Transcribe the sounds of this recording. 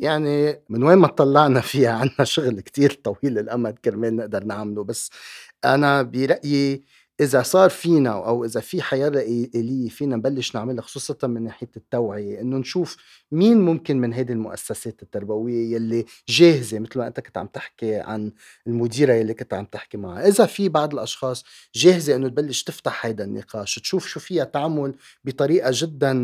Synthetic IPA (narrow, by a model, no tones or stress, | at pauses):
jaʕnimɪnweːnmat̪ˤːɑlːɑʕnafiːhaʕanːaʃʊɣlkt̪iːɾt̪ˤɑwiːlːɪlʔamalkɪɾmeːlnɪʔd̪ɑɾˤnaʕmlubasː | ʔa̰nabiɾˤɑʔji | ʔɪzasˤɑːɾˤfiːnaʔawʔɪzafiħajɑːɾˤɑʔʔeːlɪjːefiːnambalːɪʃnɪʕmɪlhaxʊ̥sˤuːsˤɑt̪ɑnmɪnːeːħɪjet̪ːawʕɪjeʔɪnːonʃuːf | miːnmʊmkɪnmɪnɦajd̪ilmʊʔa̰sːaseːt̪ɪt̪ːaɾˤbawɪjːejalːi | ʒeːhɪzemɪt̪lmaʔɪ̰nt̪akɪnt̪ʕa̰mt̪ɪħkiʕa̰n | ɪlmʊd̪iːɾajalːikɪnt̪ʕa̰mt̪ɪħkima̰ʕa̰ʔɪzafibɑʕd̪ˤɪlʔɑʃxɑːsˤ | ʒeːhɪzeʔɪnːot̪̚balːɪʃt̪ɪft̪aħhajd̪anːɪ̰qʰɑːʃt̪ʃuːfʃuːfɪjːat̪aʕamːʊl | bit̪ˤɑɾiːʔaʒɪd̪ːan